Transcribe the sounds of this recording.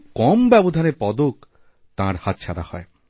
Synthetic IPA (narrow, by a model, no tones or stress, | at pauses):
kɔmbɛbod̪ʱaneɾpɔd̪ok | t̪ãɾhat̪̚t͡ɕʰaɾa̰hɔ̰e